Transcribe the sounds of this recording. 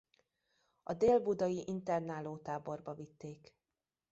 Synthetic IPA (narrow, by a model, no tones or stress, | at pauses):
ɒd̪eːlbud̪ɒjiʔint̪ɛrnaːloːt̪aːbo̞rbɒvit̪ːeːk